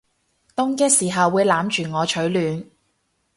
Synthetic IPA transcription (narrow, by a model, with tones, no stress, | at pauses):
t̪ʊ˥ŋkɛː˥k̚siː˨˩ɦɐ˨wːuː˨˧jlaː˨˥mt͡ʃyː˨˩ŋɔː˨˧t͡ʃʰɵ˨˥ɥlyː˨˧n